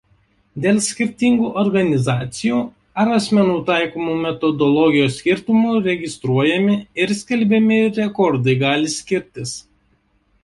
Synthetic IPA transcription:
d̪ʲeːlˠsʲkʲɪɾʲt̪ʲɪŋɡuːʔɔɾɡɐnʲɪzɑːt̪sʲɪjuː | ɐɾɐsʲmʲɛnuːt̪ɑˑɪkomuːmʲɛt̪ɔd̪ɔlˠɔɡʲɪjoːsʲkʲɪɾʲt̪ʊmuːɾʲɛɡʲɪst̪ɾuɔjɛmʲɪɪɾsʲkʲɛlʲbʲɛmʲɪɾʲɛkɔɾd̪ɐɪɡɑːlʲɪsʲkʲɪɾʲt̪ʲɪs

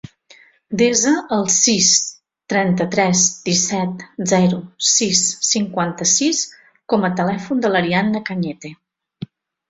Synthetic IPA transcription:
d̪ezəəlˠsis | t̪ɾɛnt̪ət̪ɾɛzd̪isɛt̪zɛɾusisːiŋkwant̪əsis | kɔmət̪əlɛfund̪ələɾianəkəɲɛt̪e

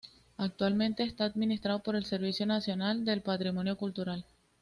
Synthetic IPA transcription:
ak̚t̪walmẽ̞nt̪e̞ːst̪aːd̪minist̪ɾaðopo̞ɾe̞lse̞ɾβisjo̞nasjo̞nald̪e̞lpat̪ɾimo̞njo̞kult̪uɾal

